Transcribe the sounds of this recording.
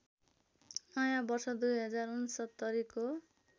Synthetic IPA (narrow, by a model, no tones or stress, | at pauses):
nʌjãbʌrsʌd̪ujɦʌd͡zarunsʌt̪ːʌɾiko